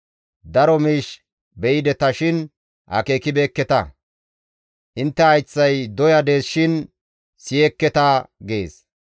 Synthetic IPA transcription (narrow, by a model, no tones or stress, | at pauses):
d̪ɐɾɔmiːʃ | bɛʔɪd̪ɛt̪ɐʃɪn | ʔɐ̰keːkɪbeːkːɛt̪ɐ | ʔɪnt̪ːɛɐjt͡sːɐjd̪ɔjɐd̪e̞ːsʃɪn | sɪjɛkːɛt̪ɐɡeːs